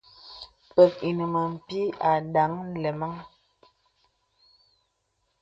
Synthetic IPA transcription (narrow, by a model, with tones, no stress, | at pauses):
pə˨k̚i˨nə˨mə˨m̩˨pi˦a˨ɗa˨˦ŋ˦lɛ˨ma˦ŋ